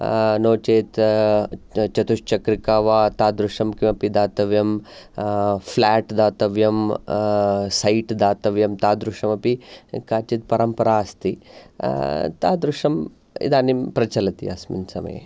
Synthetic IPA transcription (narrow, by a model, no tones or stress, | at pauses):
noːt͡ʃeːt̪ | t͡ʃɐt̪uʂt͡ʃɐkɾikaːʋaːt̪aːd̪ɾuʂɐmkimɐpid̪aːt̪ɐʋjɐm | fʰlaːʈd̪aːt̪ɐʋjɐm | sɐjʈd̪aːt̪ɐʋjɐmt̪aːd̪ɾuʂɐmɐpikaːt͡ʃit̪̚pɐɾɐmpɐɾaːɐst̪i | t̪a̰ːd̪ɾuʂɐm | ḭd̪aːnimpɾɐt͡ʃɐlɐt̪ḭa̰smḭnsɐmɐ̰jḛ